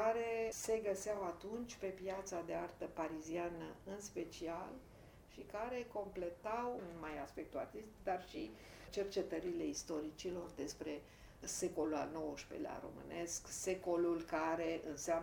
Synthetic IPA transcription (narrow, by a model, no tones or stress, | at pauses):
kaɾe̞se̞ɡəseawat̪unt͡ʃʲpe̞pjat̪sad̪e̞art̪əpaɾizianəɨnspe̞t͡ʃial | ʃikaɾe̞ko̞mple̞t̪awnmajaspe̞k̚t̪ua̰rt̪ist̪ikd̪arʃḭ | t͡ʃe̞rt͡ʃe̞t̪əɾile̞ist̪o̞ɾit͡ʃilo̞rd̪e̞spɾe̞ | se̞ko̞lula̰lno̞wəʃpḛlḛa̰ɾo̞̰mɨ̰ne̞skse̞ko̞lulkaɾe̞ʔɨnseam